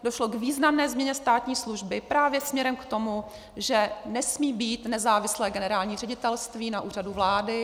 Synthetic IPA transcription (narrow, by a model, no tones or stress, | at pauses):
doʃlo̞ɡviːznamnɛːzmɲɛɲɛst̪aːt̪ɲiːsluʒbɪpɾaːvjɛsmɲɛɾɛmkt̪o̞mu | ʒɛnɛsmiːbiːt̪nɛzaːvɪslɛːɡɛnɛɾaːlɲiːrɛɟɪt̪ɛlst̪viːnaʔuːr̝aduvlaːdɪ